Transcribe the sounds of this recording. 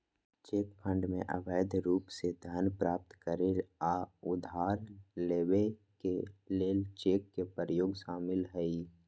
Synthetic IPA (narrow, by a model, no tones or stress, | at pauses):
t͡ʃeːkpʰə̃ɳɖmḛ̃ʔə̰bəːjd̪ʱɾuːpsed̪ʱənpɾaːp̚t̪kəɾeɾaʊd̪ʱaːɾleːwe | keleːlt͡ʃeːkːepəɾəjoːɡʃaːmɪlɦəi